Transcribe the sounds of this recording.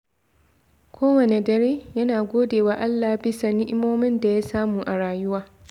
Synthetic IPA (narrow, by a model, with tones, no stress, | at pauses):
kʷʰoː˦wɐ˨ne˨dɐ˨ɾeː˦jɐ˦naː˨ɡʷoː˦deː˨waː˨ʔa˦lːaː˨bɪ˦sa˨nɪ˦ʔɪ˦moː˦mɪ˦nda˨ja˦saː˦muː˨ʔa˨ɽaː˨jʊ˦waː˦